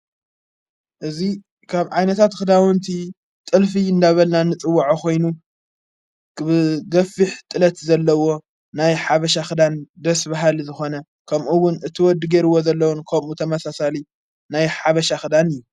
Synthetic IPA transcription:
ʔɨzi | kʰaβʕajnɐt̪ʰat̪xɨd̪awɔnt̪ʰi | t̪ʼɨlfijɪnd̪aβɐlnanɨt͡sʼɨwːaʕokʰo̞jnu | ɡɐfiħt̪ʼɨlɐt̪zɐlːɐwo̞ | najħaβɐʃaxɨd̪and̪ɐsbaɦalizɨxo̞nɐ | kʰɐmʔuwːʊnɨt̪ʰɨwɔd̪ɨɡeɾɨwːozɐlːɐwɔnkʰɐmut̪ʰɐmɐsasali | najħaβɐʃaxɨd̪anɨjːu

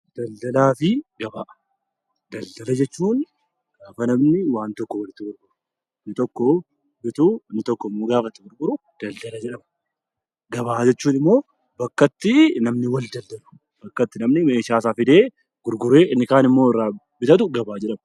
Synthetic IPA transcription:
d̪̥ɐld̪ɐlaːfɪɡɐbaːʔɐ | d̪ɐld̪ɐlɐd͡ʒɛt͡ʃːuːn | ɡ̥aːfɐnɐmnɪwaːnt̪ɔkːɔwɐlɪt̪ːɪɡʊɾɡʊɾʊ | nɪt̪ɔkːɔ | bɪt̪ʊnːɪt̪ɔkːɔmːoɡaːfɐt̪ːɪɡʊɾɡʊɾʊ | d̪̥ɐld̪ɐlɐd͡ʒɛᶑɐmɐ̥ | ɡɐbaːd͡ʒɛt͡ʃːuːnɪmːo̞ː | bɐkːɐt̪ːɪnɐmnɪwɐld̪ɐld̪ɐlʊ̥ | bɐkːɐt̪ːɪnɐmnɪmeːʃaːsaːfɪd̪eː | ɡ̥ʊɾɡʊɾeːʔɪnːɪkaːnɪmːo̞ːɪrːaː | bɪt̪ɐt̪̬ʊɡɐbaːd͡ʒɛᶑɐmɐ

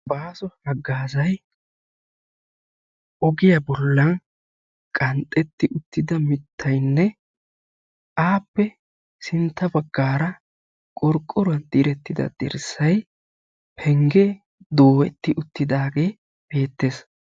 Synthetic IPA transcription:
baːsɔhɐɡːaːzɐj | ʔɔɡɪjɐbɔlːɐn | kʼɐnt̪ʼːɛt̪ːɪʔʊt̪ːɪd̪ɐmɪt̪ʰːɐjnːɛ | ʔaːpːɛ | sɪnt̪ːɐbɐɡːaːɾɐ | kʼɔɾkʼːɔɾɐnd̪̥iɾɛt̪ːɪd̪ɐ̰d̪̥ɛ̰ɾsːɐj | pʰɛŋɡɛ | d̪oːwɛt̪ːɪʔʊt̪ːɪd̪aːɡe̞ː | b̥e̞ːt̪ːe̞ːs

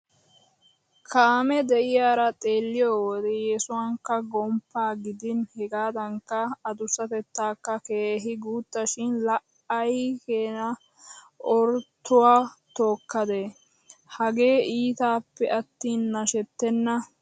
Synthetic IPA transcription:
kʰaːmɛd̪ɛʔɪjaːɾɐt̪ʼeːlːɪjoːwɔd̪ɛjɛsʊwɐŋkːɐɡɔmpːaːɡɪd̪ɪnhɛɡaːd̪ɐŋkːɐːd̪ʊsːɐt̪ɛt̪ːaːkːɐkeːɦɪɡuːt̪ːɐʃɪnlɐʔ | ɐjkeːnɐ | ʔɔɾt̪ːʊwaːt̪oːkːɐd̪e | hɐɡe̞ːiːt̪aːpːɛʔɐt̪ːiːnːɐʃɛt̪ːɛnːɐ

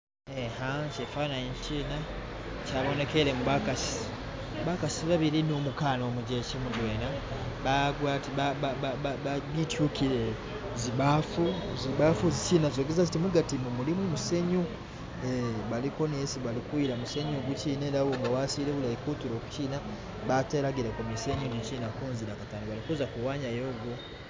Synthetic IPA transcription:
ehaŋcefaːnajeɲciːna | caːβo̞ne̞ke̞ɾe̞muβakasi̥ | βakasiβaβiɾinomukaːno̞ːmuɟecemuɟweːna | βaɡwaːtiaaaβitjukiɾe | ziβafuziβafuzit͡ʃinazo̞ːɡezazitimuɡatimumulimumuse̞ɲu | eβalikoniesiβalikwiɾamuseɲuɡuciːneɾawoŋɡawasiɾeβulaikutuɾo̞ːku̥ciːna | βateɾaɡiɾekumiseɲuicinakuːnziɾakataːnoβalikuzakuwaːɲajo̞ːɡu

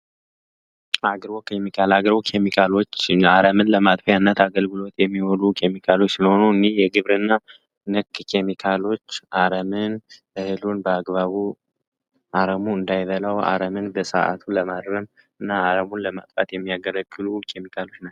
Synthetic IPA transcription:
aɡɾβokʰemikʰalaɡɾbokʰemikʰalo̞t͡ʃːaɾəmɨnləmat̪ʼfjanːət̪aɡəlɡɨlo̞t̪jɛmːiwɔlukʰe̞mikʰalo̞t͡ʃːsəho̞nuɨnːehjɛɡɨβɾɨnːa | nɨkːkʰe̞mikʰalo̞t͡ʃːʔaɾəmɨn | ɨhɨlunbəaɡβaβu | ʔaɾəmuɨnd̪ajβəlawa̰ɾəmɨnbəsə̰ʔa̰t̪ʰuləmaɾɾəm | ɨnːaːɾəmunləma̰t̪ʼfʼa̰t̪jɛmːijaɡələɡɨlukʰe̞mikʰalo̞t͡ʃːna

